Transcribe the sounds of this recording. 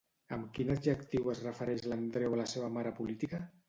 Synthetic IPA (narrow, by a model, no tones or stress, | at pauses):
əmkinəʒəkt̪iwəzrəfəɾɛʃlənd̪ɾewaləseβəmaɾəpulit̪ikə